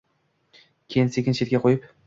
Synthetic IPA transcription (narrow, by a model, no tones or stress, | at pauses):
kʲʰejɪnsekʲɪnʃʰet̪̚ʲkʲaqʰojɪp